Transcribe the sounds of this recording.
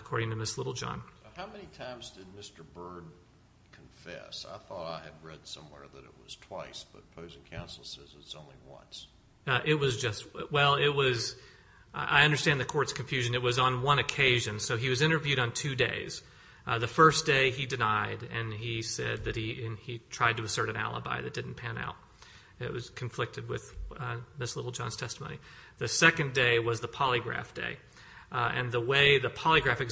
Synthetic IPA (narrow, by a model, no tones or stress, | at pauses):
əkʰɔɹɾɪ̃ŋtʰɨmɪslɪɾl̩ˠd͡ʒɑ̰̃nhaʊmɛnitʰãɪ̃mzdɨd̚mɪstə˞bɜ˞d̚ | kʰɱfɛ̰sa̰ɪθɔɾaɪɨd̚ɹɛd̥sʌ̰̃mwɛ̰ɹðɨɾɨ̰t̚wʌz̥tʰw̥aɪsb̥ʌt̚pʰoʊzɪ̃ŋkʰãʊ̃nsl̩ˠsɛzɨzõʊ̃nlḭwʌ̰̃ns | ʔɪt̚wʌzd͡ʒʌst̚wɛlˠɪt̚wʌz | ʔa̰ɪʌ̃ndə˞stæ̃nðɨkʰɔɹtskʰɨɱfjʉʒɨ̃nɨt̚wʌzn̩wʌ̃nɨkʰeɪʒɨ̃nsoʊiwʌzɪ̃ɾ̃ə˞vjʉɾn̩tʰʉdeɪz̥ | ðɨfɜ˞sd̥eɪidɨnaɪɾɨ̃nisɛ̰d̪̚ðɨt̚hiɨ̃nitʰɹ̥aɪd̚tɨːsɜ˞ɾɨ̃næ̰lˠə̰ba̰ɪðɨt̚d̥ɪdⁿn̩pʰæ̃na̰ʊt̚ | ɪ̰ʔ̚wʌz̥kʰɱflɪk̚tɨd̚wɪð̥ðɪslɪɾl̩ˠd͡ʒɑ̰̃nz̥tʰɛstəmõʊ̃ni | ðɨsɛkɨ̃ndeɪwʌzðəpʰɑlˠiɡɹæ̰fd̥ḛɪ | ɨ̰̃nðəweɪðɨpʰɑlˠiɡɹæfɨk